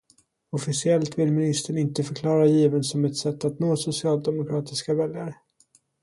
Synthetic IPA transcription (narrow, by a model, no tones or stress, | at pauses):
ɔfɪsɪɛlt̪vɪlmɪnɪst̪əɳɪnt̪əfœɾkʰlɑːɾajiːvənsɔmɛt̪sɛt̪ːat̪noːsʊsɪɑːld̪ɛmʊkʰɾɑːt̪ɪskavɛljaɾ